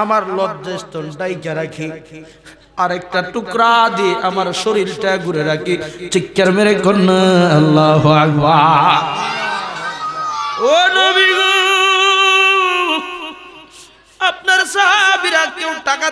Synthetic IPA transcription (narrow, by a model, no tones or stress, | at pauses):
amaɾlɔdd͡ʒest̪ɔnɖajkaɾakʰi | aɾɛk̚ʈaʈukɾad̪iʔamaɾʃoɾiɾʈaɡʱuɾeɾakʰit͡ʃikːaɾmeɾekonːəɐlːaɦoakba | onobiɡu | ap̚naɾsaɦabiɾakewʈaka